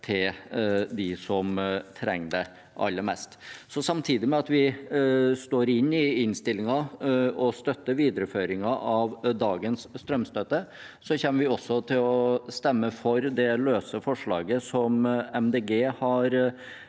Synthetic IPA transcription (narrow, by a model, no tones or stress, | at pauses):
t̪ʰɪld̪ɪsɔmt̪ʰɾɛ̰ŋd̪ɛ | ʔɑ̰lːəɾmɛ̰st̪sɔsɑmt̪ʰiːd̪ɪmɛɑt̪ʋɪ | st̪oːɾɪnːɪɪnst̪ɪlːɪŋɑɔst̪œt̪ːəɾʋiːd̪əɾəføːɾɪŋɑʔɑʋd̪ɑːɡənsːt̪ɾœmst̪œt̪ːə | sɔçɛmːəɾʋɪɔsːɔt̪ʰɪlɔst̪ɛmːəfɔɾd̪ɛløːsəfɔʂɭɑ̰ːɡəsɔmɛmd̪eːɡeːhɑɾ